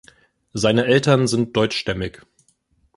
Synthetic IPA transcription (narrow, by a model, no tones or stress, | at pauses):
zaɪnəʔɛltɐnzɪnt̚d̥ɔʏt͡ʃʃtɛmɪç